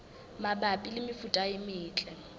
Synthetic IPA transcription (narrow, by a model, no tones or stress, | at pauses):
mabapʼilɪmɪfutʼaɪmɪːt͡ɬʼɛ